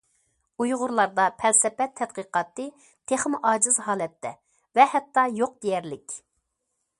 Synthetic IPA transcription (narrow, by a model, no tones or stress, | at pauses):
ujʁʊɾlˠɑɾd̪ɑpʰɛlsɛpɛt̪ʰːɛt̪̚qəqɑːt̪ɨ | t̪ʰeχmʔɑːd͡ʒɨzɦɑːlɛt̪ʰːɛ | vɛhɛt̪ʰːɑjoq̚d̪̥ejɛɾlɪkʲ